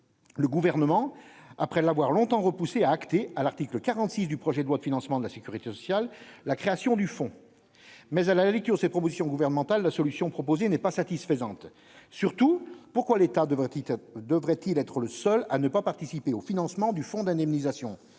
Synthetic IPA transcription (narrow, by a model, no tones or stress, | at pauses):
ləɡuvɛʁnəmɑ̃apχɛlavwaʁlɔ̃t̪ɑ̃ʁəpuseaːkt̪ealaʁt̪ikləkaʁɑ̃t̪sis̬d̪ypχɔʒɛd̪lwad̪əfinɑ̃smɑ̃d̪əlasekʲyʁit̪esɔsjalːakχeasjɔ̃d̪yfɔ̃ | mɛzalalɛk̚t̪yːʁd̪əsɛt̪̚pχɔpozisjɔ̃ɡuvɛʁnəmɑ̃t̪alːasɔlysjɔ̃pχɔpozenɛpasat̪isfəzɑ̃t̪ | syʁt̪upuʁkwalet̪a | d̪əvʁɛt̪ilɛt̪χələsœlanəpapaʁt̪isipeofinɑ̃smɑ̃d̪yfɔ̃d̪ɛ̃d̪ɛmnizasjɔ̃